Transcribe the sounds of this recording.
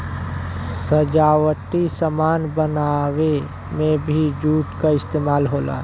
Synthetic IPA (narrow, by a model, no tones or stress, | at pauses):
səd͡ʒaːwəʈisəmaːnbənawe | mẽbʱid͡ʒuːʈkaɪst̪eːmaːlɦoːla̰ː